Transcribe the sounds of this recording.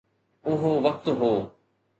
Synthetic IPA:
ʊɦoʋɐk̚t̪ɦoː

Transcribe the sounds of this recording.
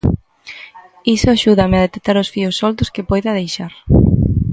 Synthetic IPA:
isʊaʃuðamɪaðet̪ek̚t̪aɾʊsfiʊsːɔld̪ʊskɪpɔjðɐðejʃaɾ

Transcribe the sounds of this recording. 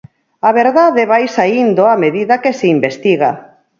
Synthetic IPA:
aβeɾðaðeβajsaind̪oameðiðakeseimbest̪iɣa̰

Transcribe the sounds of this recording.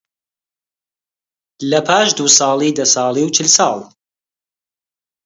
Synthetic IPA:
lɐpʰaːʃd̪usɑːlˠiːd̪ɐsɑːlˠiːwt͡ʃʰɪlsɑːlˠ

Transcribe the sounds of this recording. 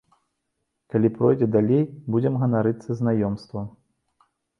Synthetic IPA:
kalʲipɾɔjd͡zʲɛd̪alʲejbud͡zʲɛmɣɐnaɾɨt̪sːɐznajɔmst̪vɐ

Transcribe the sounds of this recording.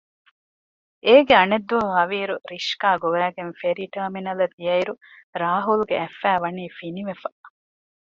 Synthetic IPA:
ʔeːɡeɐned̪ːuɐɦɐʋiːɾuɾiʃkaːɡoʋæːɡenfeɾiːʈɐːminɐlɐd̪ijɐiɾu | ɾaːɦulɡeæfːæːʋɐniːfiniʋefɐ

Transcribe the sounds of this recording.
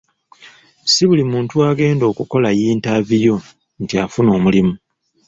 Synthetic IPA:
siβulimuːntuaːɡe̞ːndo̞ːkuko̞lajiːntavijo̞ | ntia̰funo̞ːmulimu

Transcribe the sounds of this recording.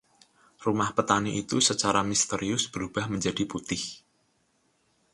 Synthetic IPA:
rumahpət̪aniʔit̪usət͡ʃaɾamist̪əɾiʊsb̥əɾub̥ahməɲd͡ʒadiput̪ɪh

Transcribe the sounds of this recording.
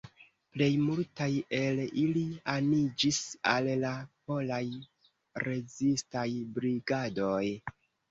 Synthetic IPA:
ple̞jmultaje̞lilianid͡ʒisallapo̞laj | ɾe̞zistajbɾiɡado̞j

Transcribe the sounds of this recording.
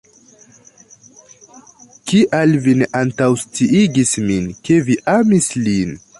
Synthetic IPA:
kiʔalvineʔantawstiʔiɡisminke̞viʔamislin

